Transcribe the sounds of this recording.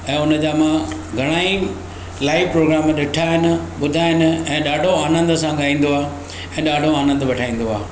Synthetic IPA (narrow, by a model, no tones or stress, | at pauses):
ɛ̃ːʊnəd͡ʑaːmãɡʱɐɽ̃aːi | laːɪʋpɾoːɡɾaːmɗɪʈʰaɦɪnɪ̆ɓʊd̪ʱaːɦɪnɪ̆ɛ̃ːɗaːɖʱoaːnə̃nd̪əsãɠaːĩːn̆d̪oaː | ɛ̃ːɗaːɖʱoaːnə̃nd̪ʋɐʈʰaːĩːn̆d̪oa̰ː